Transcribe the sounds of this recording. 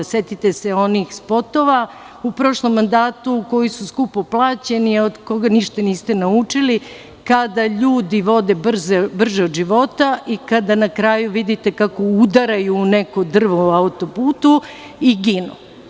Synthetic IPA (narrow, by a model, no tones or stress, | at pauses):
set̪it̪e̞seo̞nixspo̞t̪o̞ʋa | upɾo̞ʃlˠomːand̪aːt̪uko̞jisuskupoplˠaːt͡ɕe̞niod̪ko̞ɡaniʃt̪aniːst̪e̞naut͡ʂili | kad̪aʎuːd̪iʋo̞d̪e̞br̩zebr̩ʒeod̪ʒiʋo̞t̪aʔikad̪anakɾaːjuʋid̪it̪ekako̞ud̪aɾajuːnekod̪r̩ʋoaut̪o̞puːt̪u | iɡinu